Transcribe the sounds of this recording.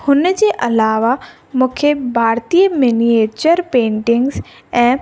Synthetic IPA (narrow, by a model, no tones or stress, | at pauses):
hʊnd͡ʑeʔɐlaːʋa | mʊ̃ːkʰebʱaːɾt̪ijəmenieːt͡ɕəɾpẽːɳʈɪ̃ŋɡz | ɛ̃ː